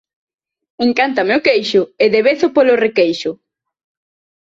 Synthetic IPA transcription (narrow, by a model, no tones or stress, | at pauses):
eŋkant̪ameokejʃʊeðeβeθʊpolorekejʃʊ